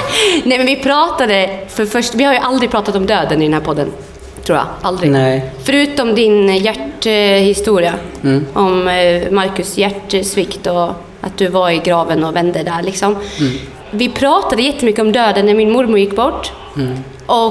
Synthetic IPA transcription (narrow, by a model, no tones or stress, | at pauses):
nɛmɛnvɪpʰɾɑːt̪ad̪əfœɾfœʂʈʋɪhaɾjʊʔald̪ɾɪpʰɾɑːt̪at̪ɔmd̪øːd̪ənɪd̪ɛnæːɾpʰɔd̪ːə̰n | t̪ʰɾuːɾja̰ʔald̪ɾɪfœɾʉːt̪ɔmd̪ɪnjæʈhɪst̪uːɾɪaʔɔmmaɾkʉsjæʈːsʋɪkt̪ɔ | ʔɑ̰t̪̚d̪ɵvaɾɪɡɾɑːʋənɔvɛnd̪əd̪æɾɭɪksɔm | vɪpʰɾɑːt̪ad̪əjɛt̪ːəmʏkːəɔmd̪øːd̪ənæɾmɪnmʊɾmʊɾjɪkːbɔʈː | ʔɔ